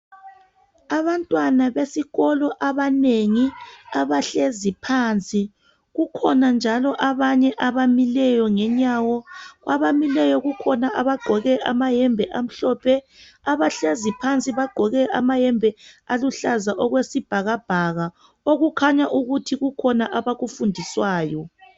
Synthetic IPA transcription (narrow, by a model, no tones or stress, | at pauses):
aβantʼwanaβesiɣɔlɔʔaβaneŋiaβaɬezipʰaːnt͡sʼi | ɣukʰɔnand͡ʒʱalɔʔaβaɲɛʔaβamilɛjɔŋɛɲaːwɔɣwaβamilɛjɔɣukʰɔnaʔaβaɡ͡ǃʱɔɣɛʔamajɛmbʱɛʔam̩ɬɔːpʰɛ | aβaɬezipʰant͡sʼiβaɡ͡ǃ̥ʱɔɣɛamajɛmbʱɛaluɬazaʔɔɣwesib̥ʱaɣab̥ʱaɣa | oɣukʰaɲaʔuɣutʰiɣukʰɔnaʔaβaɣufundʱiswaːjɔ